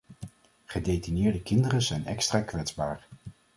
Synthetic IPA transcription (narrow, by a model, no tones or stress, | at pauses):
χədejtinɪːɹdəkɪndərəzɛjnɛkstraːkʋɛdzbaːɹ